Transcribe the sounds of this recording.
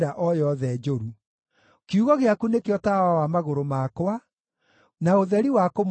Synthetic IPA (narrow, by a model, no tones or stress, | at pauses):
ɾaʔɔjɔðɛd͡ʒoɾu | kiuɣɔɣeakunekeɔtawawamaɣoɾomakwa | naoðɛɾiwakom